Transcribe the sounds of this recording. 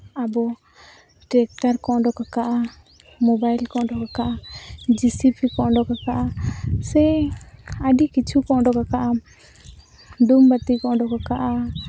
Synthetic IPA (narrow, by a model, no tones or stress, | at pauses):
abɔ | ʈɛk̚ʈaɾkɔʔɖɔkakaʔa | mɔbajlkɔʔɖɔkakaʔad͡ʒisipʰikɔʔɖɔkakaʔasɛ | aɖikit͡ʃʰukɔʔɖɔkakaʔam | ɖumbat̪ikɔʔɖɔkakaʔa